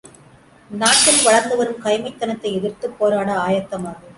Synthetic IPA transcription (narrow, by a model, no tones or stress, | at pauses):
naːʈkɪlʋɐɻɐɾnd̪ɐʋɐɾɯmkɐjmɐɪt̪ːɐnɐt̪ːɐɪɛðɪrt̪ːɯpːoːɾaːɽɐaːjɐt̪ːɐmaːɣɐ